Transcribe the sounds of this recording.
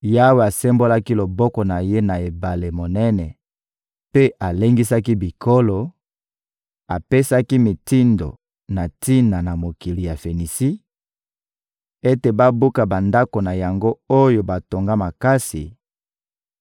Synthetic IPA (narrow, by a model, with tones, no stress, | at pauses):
ja˦we˨a˨sɛ˦mbo˦la˦ki˦lo˨bɔ˦kɔ˨na˨je˦na˨e˨ba˨le˨mo˨nɛ˦nɛ˨ | pe˦ʔa˨le˦ŋɡi˦sa˦ki˦bi˨ko˦lo˨ | a˨pe˦sa˦ki˦mi˨ti˦ndo̰˨ | na˨ti˦na˨na˨mo˨ki˨li˨ja˨fe˨ni˨si˦ | e˦te˨ba˦bu˦ka˨ba˨nda˦ko˨na˨ja˨ŋɡo˦o˦jo˨ba˨to˨ŋɡa˦ma˨ka˦si˨